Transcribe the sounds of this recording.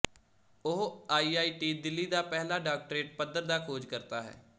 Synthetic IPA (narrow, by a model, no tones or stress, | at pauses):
ʊɦaːiːaːiːʈiːd̪ɪlːiːd̪aːpɛɦlaːɖaːk̚ʈɾeːʈ̚pəd̪əɾd̪aːkʰoːd͡ʒkəɾt̪aːɦɛ̰ː